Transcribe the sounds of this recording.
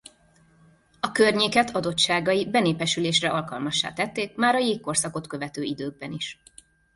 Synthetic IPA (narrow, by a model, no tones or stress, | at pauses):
ɒkørɲeːkɛt̪ʰɒd̪o̞t̪ʃaːɡɒjibɛneːpɛʃyleːʃrɛʔɒlkɒlmɒʃːa̰ːt̪ɛt̪ːeːkmaːɾɒjeːkko̞rsɒko̞t̪kø̞vɛt̪øːid̪øːɡ̚bɛniʃ